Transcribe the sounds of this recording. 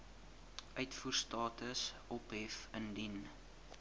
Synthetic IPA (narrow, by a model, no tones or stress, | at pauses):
ʔœɥtfuːrstɑːtəsʔɔpɦɛfəndin